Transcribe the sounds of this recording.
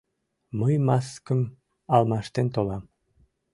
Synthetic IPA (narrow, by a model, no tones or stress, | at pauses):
məjmɑskə̆m | ɑlˠmɑʃt̪ent̪olɑm